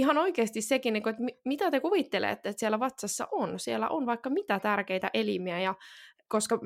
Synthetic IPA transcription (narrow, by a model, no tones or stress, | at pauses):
ihɑnoikeːst̪issekinːiŋkoet̪mimit̪æt̪ekuʋit̪ːelḛːt̪ːet̪sielæʋɑt̪sɑsːɑ̰ʔonsielːæ̰ʔonʋɑikːɑmit̪æt̪ærkeit̪æ̰ʔelḭmiæjɑ | koskɑ